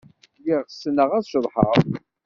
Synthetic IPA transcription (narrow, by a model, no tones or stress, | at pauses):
jiʁsnəʁæðʃəðˤħəʁˤ